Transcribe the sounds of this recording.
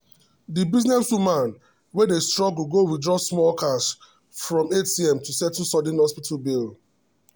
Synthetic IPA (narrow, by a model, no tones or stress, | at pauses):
dibiznɛswumãn | wɛdestɹɔɡulɡowidɹɔsmɔlkʰas | fɹɔ̃metiɛ̃mtusɛtũnsɔdɛ̃nhɔspitʰalbil